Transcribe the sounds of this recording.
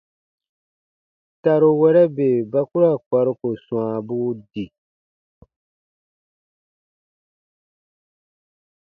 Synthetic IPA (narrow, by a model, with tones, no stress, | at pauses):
ta˨ɾo˨wɛ˦ɾɛ˦be˨ba˦ku˦ɾa˦˨ka˨ɾo˦ko˨sw̃ã˨bu˦di˨